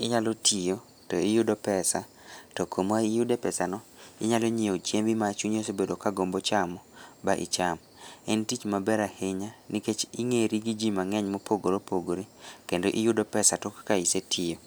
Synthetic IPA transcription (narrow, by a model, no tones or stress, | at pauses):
ɪɲalɔtʰijo | tɔɪjʊdopɛsa | tɔkʰomaijudepɛsanɔɪɲalɔɲiot͡ʃjembimat͡ʃuɲosebedokaɡombot͡ʃamɔbaʔɪ̰t͡ʃam | ɛntit͡ʃmabɛɾaheɲaniket͡ʃiŋeɾiɡid͡ʒimaŋɛɲmɔpoɡoɾopoɡoɾekendoʔɪjʊdopɛsatɔkkaisetʰijo